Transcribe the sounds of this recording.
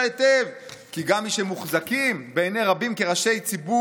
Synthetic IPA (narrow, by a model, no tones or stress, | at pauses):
etev | kiɡamːiʃemuχzakimbeeneʁabimkeʁaʃe̞jt͡sibu